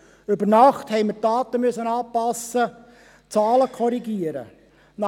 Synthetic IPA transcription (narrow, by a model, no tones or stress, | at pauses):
ʏbəɾnɑχthɛɪməɾtɑːt̪əmyəsənɑːpɑsːə | t͡sɑːləkʰɔɾiɡiəɾə̰ | nɑ